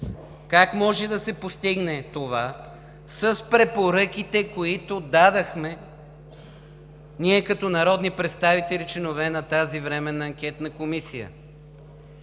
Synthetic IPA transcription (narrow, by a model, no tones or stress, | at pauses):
kakmɔʒɛd̪ɐsɛpost̪iɡnɛt̪ova | səspɾɛpoɾɤk̟ʲit̪ɛkoit̪od̪ad̪ɐxmɛ | niɛkɐt̪ɔnɐɾɔd̪nipɾɛt̪st̪avit̪ɛlʲit͡ʃɛnovɛnɐt̪azivɾɛmɛnɐːŋk̟ʲɛt̪nɐkomisijə̰